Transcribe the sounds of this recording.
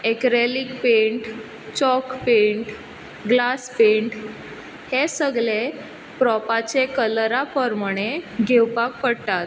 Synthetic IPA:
ekɾelikpeɳʈ | t͡ɕɔkpeɳʈ | ɡlaspeɳʈ | hesəɡɭe | pɾɔpat͡ɕekələɾapəɾmuɽ̃eɡʱewpak̚pəɽt̪at̪

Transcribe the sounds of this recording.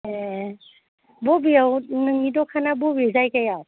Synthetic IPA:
e | bɔbiawnɯŋnidɔkʰanabɔbizajkajaw

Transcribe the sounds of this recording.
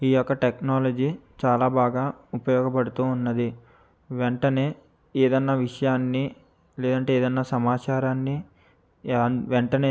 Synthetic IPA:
iːjɔkːɐʈeknaːlɐd͡ʒiːt͡ʃaːlaːbaːɡaːupɐjɔːɡɐpɐɽut̪uːnːɐd̪i | ʋeɳʈɐne̞ː | eːd̪ɐnːaːʋiʂɐjaːnːi | leːd̪ɐɳʈe̞ːeːd̪ɐnːaːsɐmaːt͡ʃaːɾaːnːi | ʋeɳʈɐneː

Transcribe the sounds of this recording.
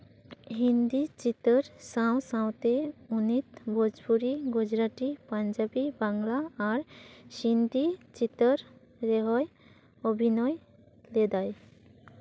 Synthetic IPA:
ɦind̪it͡ʃit̪əɾsãw̃sãw̃t̪eunit̪bʱod͡ʒpuɾiɡud͡ʒɾaʈipaɲd͡ʒabibaŋɡlaːɾʃind̪it͡ʃit̪əɾ | ɾeɦɔj | obʱinɔj | led̪aj

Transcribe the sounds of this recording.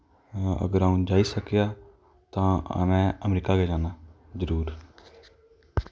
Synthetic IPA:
ə̰ɡəɾaːũːd͡ʒaːiːsəkjaː | t̪ã̰ːmɛ̃ːəmɾiːkaːɡɛːd͡ʒaːnaː | zəɾuːɾ

